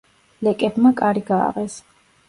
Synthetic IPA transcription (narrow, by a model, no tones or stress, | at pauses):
lɛkʼɛbmakʼaɾiɡa̰ːʁɛs